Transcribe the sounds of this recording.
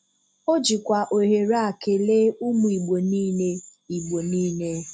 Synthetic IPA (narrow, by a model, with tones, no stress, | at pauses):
o˦d͡ʒi˨kʷa˨ʔo˨ɦe˨ɾa˨ke˨le˦u˦mu˨i˨ɡ͡bo˨niː˦ne˦i˨ɡ͡bo˨niː˦ne˦